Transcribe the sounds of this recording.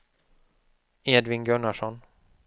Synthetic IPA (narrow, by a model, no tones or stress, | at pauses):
eːd̪vɪnɡɵɳaʂɔn